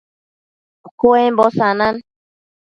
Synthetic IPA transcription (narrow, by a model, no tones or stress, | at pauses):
koɛmbɔsanan